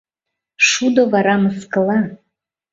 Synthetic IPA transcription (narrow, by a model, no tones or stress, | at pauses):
ʂud̪ovaɾamɨskʼɨlˠa